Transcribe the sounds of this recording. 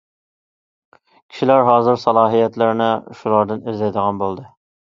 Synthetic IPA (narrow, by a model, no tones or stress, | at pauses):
kʲʰi̥ʃilæɾɦɑːzɨɾsɑlˠɑːɦijɛt̪lɪɾnɪʃulˠɑɾd̪ɨnezɛjd̪əʁɑnbolˠd̪ɨ